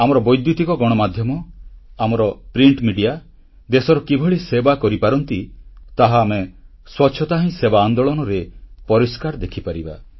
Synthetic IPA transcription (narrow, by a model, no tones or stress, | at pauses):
amɔɾɔbɔjd̪jut̪ikɔɡɔɽ̃ɔmad̪ʱjɔmɔamɔɾɔpɾiɳʈmiɖija | d̪esɔɾɔkibʱɔɭisebakɔɾipaɾɔnt̪it̪aɦaːme | swɔtːʃʰɔt̪aɦĩsebaːnd̪ɔɭɔnɔɾepɔɾiskaɾd̪ekʰipaɾiba̰